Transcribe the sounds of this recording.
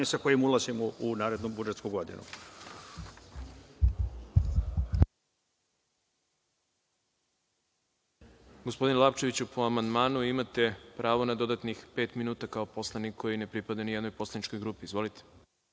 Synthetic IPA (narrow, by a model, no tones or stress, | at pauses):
isakojimulˠazimounaːɾe̞d̪nubud͡ʒe̞t̪skuɡod̪ḭnṵ | ɡospo̞d̪inlˠapt͡ʃe̞ʋit͡ɕupoamand̪maːnuimat̪e̞pɾaːʋo̞nad̪o̞d̪at̪nixpe̞ːt̪minuːt̪akao̞po̞slˠanikʰːo̞jine̞pɾipad̪anijd̪no̞jpo̞slˠanit͡ʃko̞jɡɾuːpiːzʋo̞lit̪e̥